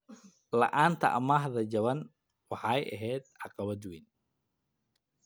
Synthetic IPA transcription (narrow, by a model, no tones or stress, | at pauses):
lɐ̰ʔaːnt̪ʰɐ̰ʔɐ̰maːɦðɐd͡ʒɐβɐn | wɑħɑjʔɐ̰ɦɛːd̪̚ʕɑqɑβɐd̪win